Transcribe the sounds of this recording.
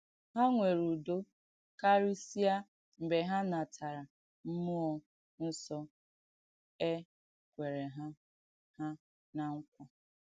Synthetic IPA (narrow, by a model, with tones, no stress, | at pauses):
ɦa˦ŋʷe˨ɾu˨do˦ | ka˦ɾi˦si˦a˦ | m̩˨be˨ɦa˦na˨tʰa˨ɾa˨ | m̩˦mu˦ɔ˨ | n̩˦sɔ˦ | e˦ | kʷe˨ɾe˨ɦa˦ | ha˦ | na˨ŋ̩˦kʷɔ˦